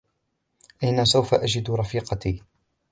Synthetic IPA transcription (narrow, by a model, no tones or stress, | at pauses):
ʔajnasawfaʔad͡ʒɪd̪ɾˤɑfiːqɑt̪iː